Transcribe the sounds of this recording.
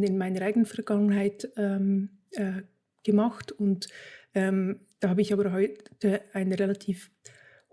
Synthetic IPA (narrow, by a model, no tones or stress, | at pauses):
ɪnmaɪnəʁʔaɪɡənənfɛɐʁɡaŋənɦaɪtɛːm | ɛ | ɡ̥əmaxtʊntʔɛmd̥aːhaːbəɪçaːbɐɦɔʏtəaɪnəʁelatʰiːf